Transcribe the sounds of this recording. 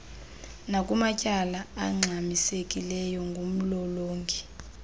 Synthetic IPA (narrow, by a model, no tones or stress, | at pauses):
nakʼumacʼalaaŋ͡ǁʱamisekʼilɛjɔŋɡʱom̩lɔloːŋkʰi